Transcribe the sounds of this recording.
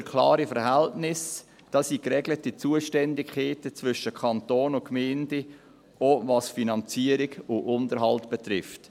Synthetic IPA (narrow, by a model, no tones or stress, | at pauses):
ɾkʰlɑ̰ːɾifəɾhæltnɪs | d̥ɑsikrɛɡlətit͡suəʃtɛndɪkχeːtət͡svʏʃəkʰɑntoːnʊnkmɛːnde | ʔovɑsfinɑnt͡siəɾɪɡʊʔʊndəɾɦɑltb̥ɛtrɪft